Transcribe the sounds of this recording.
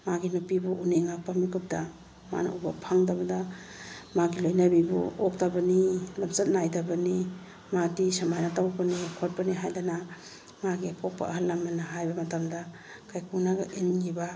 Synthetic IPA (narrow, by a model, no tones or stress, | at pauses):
maɡinupibuʔuneŋak̚pamikʰup̚da | ma̰na̰ubapʰaŋdabɐda | maɡilojnabibṵok̚tabɐnilamsat̚najdabɐni | madisamajnatawpanikʰot̚paniɦajdana | maɡipʰɔk̚pa̰ɐɦalːamanaɦajbɐmɐtamda | kʰajkʰunaɡɐʔinɡiba